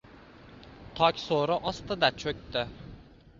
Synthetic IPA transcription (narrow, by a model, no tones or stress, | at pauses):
t̪ʰɑkʲsoːɾʊʔɑst̪ad̪at͡ʃʰøk̚ʲt̪ɪ